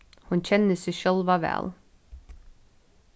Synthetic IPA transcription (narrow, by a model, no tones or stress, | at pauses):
hʊnçɛnəsɛʃœlʋɑʋæ̰ːl